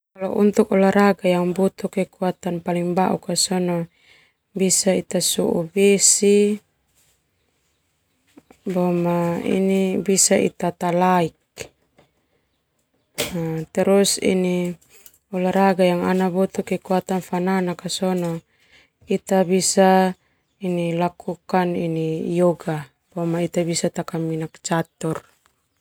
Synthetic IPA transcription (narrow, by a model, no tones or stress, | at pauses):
kalɔʔṵnt̪ukɔlaɾaɡajaŋbɔt̪ukɛkuat̪anpaliŋbaʔṵkasɔnɔ | bisait̪asuʔṵbesi | bɔmaḭnibisaʔḭt̪at̪alaik̚ | at̪ɛɾɔsḭni | ɔlaɾaɡajaŋanabɔt̪ukekuat̪anfananakasɔnɔ | it̪abisa | inilakukanḭnijɔɡa | b̥ɔmait̪abisat̪akaminak̚t͡ʃat̪ɔr